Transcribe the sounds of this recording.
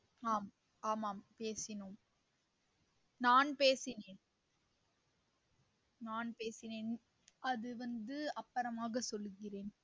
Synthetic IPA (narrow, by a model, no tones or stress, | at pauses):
aːm | aːmaːmpeːsɪnoːm | naːnpeːsɪneːn | naːnpeːsɪneːn | ʔɐðɯʋɐnd̪ɯɐpːɐɾɐmaːɣɐsɔlːɯɣɪreːn